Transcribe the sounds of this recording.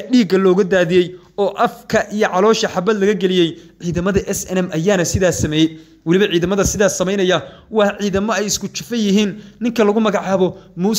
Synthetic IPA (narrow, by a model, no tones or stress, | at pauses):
ɖiːɡɐlɔːɣɐd̪aːðijɛj | ɔːʔɐfkʰɐʔijɔʕɑlɔːʃɐħɑbɐd̪lɐɣɐɡɛlɪjɛjʕiːðɐmɐðɐʔɛsɛnɛmʔɐjaːnɐsɪðaːsɐmɛːjɛj | wɑlɪβɐʕiːðɐmɐðɐsɪðaːsɐmɛjnɐjɐwɑːħʕiːðɐmɔɛjɪskʰʊt͡ʃɪfɐjɪɦiːnːɪŋkʰɐlɐɣʊmɐɣɑʕɑːβɔmuː